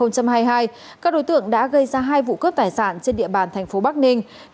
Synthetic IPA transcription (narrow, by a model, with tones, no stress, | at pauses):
ə˧wŋ͡mt͡ɕa˧mɦaː˧jɦaː˧j | kaː˦˥k̚ɗo˨˦jt̪ɨ̰˧˨əŋɗa̰ː˧˥ɣə˧jzaː˧ɦaː˧jvṵ˧˨kə˦˥p̚t̪aː˨˩jsa̰ː˧˩˨nt͡ɕe˧nɗḭ˧˨əɓaː˨˩nt̪ʰɛ˨˩jŋ̟fo˨˦ɓa˦˥k̚nï˧ŋ̟